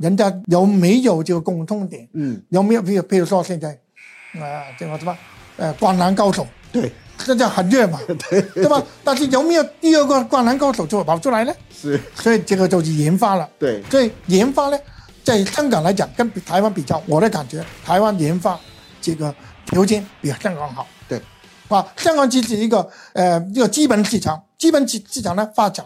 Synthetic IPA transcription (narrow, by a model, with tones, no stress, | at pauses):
ɻə˧˥nt͡ɕja˥jo˧˥ʊme˧˥ɪjo˨˩ʊʈ͡ʂɤ˥˩ɡə˨˩kʊ˧ŋt̪ʰʊ˧˥ŋt̪jɛ˨˩˦njo˧˥ʊme˧˥jpʰe˥˧o˨˩pʰɻu˧˥ʂwɔ˥ɕjɛ˥˧nt͡sa˥˧ɪ | ə˧ʈ͡ʂə˥˧˩ɡʂ̩˥˩a˧ | ə˧kwa˥˩nna˧˥nkɑ˥ʊʂo˨˩ʊ | e˥˩ɕjɛ˥˧nt͡sa˥˧˩xə˨˩nɥɛ˥˩ma˨˩˥ba˧˩t̪a˥˧nʂɻ̩˥˩jo˧˥ʊme˧˥jo˨˩ʊt̪i˥˧ə˥˧ɡɔ˧˩kwa˥˧na˧˥nkɑ˥ʊʂo˨˧˩ʊt͡ɕo˥˩ə˨˩pa˨˩ʊʈ͡ʂʰu˥la˧˥ɪnə˧˥˧swɔ˧˥i˨˩ʈ͡ʂɤ˥˩ɡə˧t͡so˧ʊʂ̬i˥˩jɛ˧˥nfa˥lə˨we˥˩swɔ˧˥i˨˩jɛ˧˥nfa˥nə˧ | t͡sa˥˩ɪɕjɑ˥ŋkɑ˨˩ŋla˧˥ɪt͡ɕjɑ˨˩ŋkə˥npi˨˩t̪ʰa˧˥ɪwa˥npi˨˩t͡ɕjɑ˥˩ʊwɔ˨˩d̪ə˦ka˨˩nt͡ɕɥɛ˧˥t̪ʰa˧˥ɪwa˥njɛ˧˥nfa˥ | ʈ͡ʂɤ˥˩ɡə˩t̪ʰjo˧˥ʊt͡ɕɛ˥˩npi˨˩ɕjɑ˥˩ŋkɑ˧˩ŋxɑ˨˩˦ʊt̪e˥˩ | a˥˧˩ɕjɑ˥ŋkɑ˧˩˦ŋt͡ɕʰi˧˥ʂɻ̩˨˩i˧˥ɡə˥˧ə˧i˧˥ɡə˧t͡ɕi˥pə˨˩˦nʂɻ̩˥˩ʈ͡ʂʰɑ˨˩˦ŋt͡ɕi˥pə˧˥ni˧˥ʂɻ̩˥˩ʈ͡ʂʰɑ˨˩ŋnə˧fa˥ʈ͡ʂa˨˩n